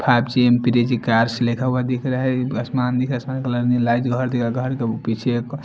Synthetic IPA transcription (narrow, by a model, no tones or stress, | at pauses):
pʰab̚t͡ʃiempiɾed͡ʒikaɾslekʰawad̪ikʰɾaɦɛɐsmand̪ikʰɐsmankelɐɾnilajd͡ʒɡʱɔɾd̪ikʰɾaɡʱɔɾkepit͡ʃʰk